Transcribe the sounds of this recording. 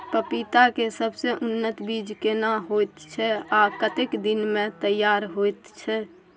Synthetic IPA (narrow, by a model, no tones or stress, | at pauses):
pəpit̪akesəbseʔʊnːət̪biːd͡ʒkenaɦojt̪t͡ʃʰɛakət̪ekd̪ɪnmẽt̪əjːaːɾɦojt̪t͡ʃʰɛ